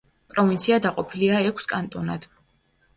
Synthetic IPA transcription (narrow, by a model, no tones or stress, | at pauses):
pʼɾɔvint̪sʰiad̪aqʼɔpʰiliaɛkʷʰskʼant̪ʼɔnad̪̥